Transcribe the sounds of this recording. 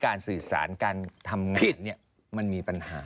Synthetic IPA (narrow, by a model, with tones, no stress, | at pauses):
kaː˧nsɯː˨˩sa̰ː˩˦nkaː˧nt̪ʰa˧mŋa˧i˦˩˧nːi˥˩ɐ | ma˧nmiː˧pa˧nhaː˨˦